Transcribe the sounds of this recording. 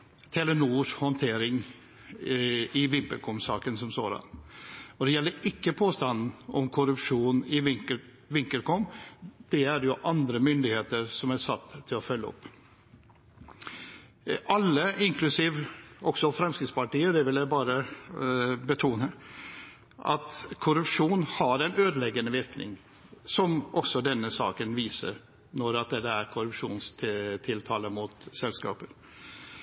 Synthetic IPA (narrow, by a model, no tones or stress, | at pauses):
t̪ʰɛlɛnuːʂhɔnt̪ʰeːɾɪŋ | ɪʋɪmpə̰lkʰɔmsɑ̰ːkənsɔmso̰ːd̪ɑ̰nɔd̪ɛjɛlːəɾɪkːəpʰoːst̪ɑnn̩ɔ̰mkʰʊɾʉpʂuːnɪ | ʋɪŋkəɾkɔmd̪̥ɛæɾjʊʔɑnd̪ɾəmʏnd̪ɪheːt̪əɾsɔmæsɑt̪ʰːɪlɔfœlːəɔ̰pː | ʔɑlːəɪŋklʉsiːʋɔksɔfɾɛmskɾɪt̪spɑʈiːəd̪ɛʋɪljæɪbɑːɾə | bət̪ʰuːnə | ʔɑ̰t̪kʰʊɾʉpʂuːnhɑɾɛɪnøːd̪lɛɡənəʋɪɾknɪ̰ŋ | sɔmʔɔksɔd̪ɛnːəsɑ̰ːkənʋiːsə̰ɾ | nɔɾɑt̪̚d̪ɛd̪əæɾkʰʊɾʉpʂṵːnst̪ʰt̪ʰɪlt̪ʰɑːləmut̪sɛlskɑ̰ːpəɾ